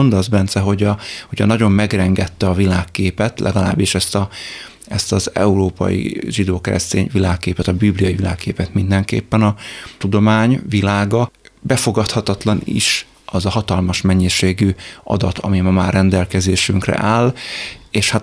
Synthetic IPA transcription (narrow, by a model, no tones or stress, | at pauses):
ond̪ɒzbɛnt̪sɛɦo̞ɟɒhoɟɒnɒɟo̞mːɛɡrɛŋɡɛt̪ːɛɒvilaːkːeːpɛt̪lʔɛ̰ɡɒla̰ːbːiʃɛst̪ɒ | ɛst̪ɒzɛ̰uɾoːpɒ̰jḭʒid̪oːkɛɾɛ̰st̪eːɲvilaːkːeːpɛt̪ɒbiblijɒjivila̰ːkːeːpɛt̪mind̪ɛŋkḛːpːɛnɒt̪ud̪o̞maːɲvilaːɡɒbɛfo̞ɡɒt̪hɒt̪ɒt̪lɒnḭʃ | ɒzɒɦɒt̪ɒlmɒʃmɛɲːiʃeːɡyɒ̰d̪ɒt̪ʰɒ̰mimɒmaːrɛnd̪ɛlkɛzeːʃyŋkrɛ̰ʔaːleːʃhat̪